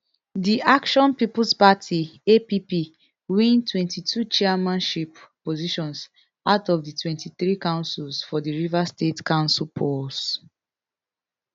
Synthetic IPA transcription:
diʔakʃɔ̃npipulspatʰiepipi | wĩntwɛ̃ntitʰut͡ʃɛamãnʃipː | oziʃɔ̃ns | aʊtɔvditʰwɛ̃ntʰiθɹikãʊ̃nsulsfɔdiɹivastetkãʊ̃nsulpʰɔs

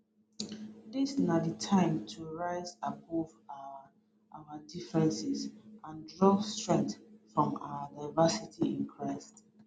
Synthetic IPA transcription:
disnaditʰãɪ̃mtʰuɹaɪzabɔva | ʔawədifɹɛ̃nsizãndɹɔstɹɛ̃ŋtfɹɔ̃ma̰ədaɪvasitʰiĩnkʰɹaɪst

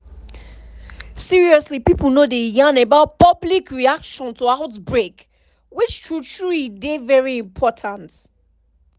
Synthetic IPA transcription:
siɹiɔslipipl̩ˠnodejãnəbaʊt̚pʌblikɹiakʃɔ̃ntʰəaʊtbɹek | wɪt͡ʃtʰɹut͡ʃɹidevɛɹiɪ̃mpʰɔtʰãnt

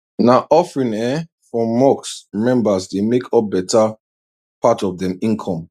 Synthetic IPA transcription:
naʔɔfɹĩnɛ | fɹɔ̃mːɔksmɛ̃mbasdemekʰɔp̚bɛta | patɔvdɛ̃mĩnkʰɔ̃m

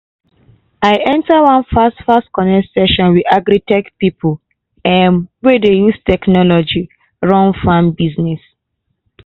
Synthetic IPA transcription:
aɪʔɛ̃ntawãnfastfastkɔnɛsɛʃɔ̃nwiaɡɾitɛkpipul | ɛ̃nwedejustɛknɔlɔd͡ʒi | ɹɔ̃nfãmbiznɛs

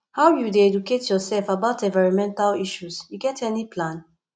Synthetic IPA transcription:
haʊjudeɛduketʰjɔsɛlfabaʊtɛ̃ɱvaɹɔ̃mɛ̃ntaliʃusjuɡɛtʰɛnipʰlãn

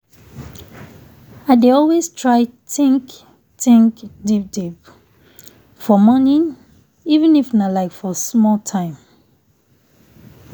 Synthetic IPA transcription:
aɪdeɔlwestʰɹaɪtɪ̃ŋk | tɪ̃ŋkdip̚dip | fɔmɔnĩ | ivə̃nifanalaɪkfɔsmɔltʰãɪ̃m

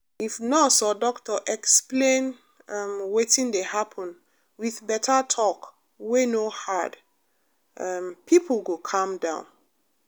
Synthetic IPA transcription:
ifnɔsɔdɔktɔʔɛksplẽn | mwetĩndehapʰɔ̃n | wiðbɛtʰatʰɔk | wenohad | ʔmpʰipʰlɡokʰãmdã̰ʊ̃n

